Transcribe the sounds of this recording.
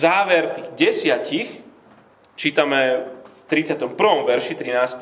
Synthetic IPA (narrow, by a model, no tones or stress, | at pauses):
zaːʋɛɾt̪iːɣɟɛsɪacix | t͡ʃiːt̪amɛft̪ɾit͡sɪat̪ɔmpr̩ʋɔmʋɛɾʃit̪ɾinaːst̪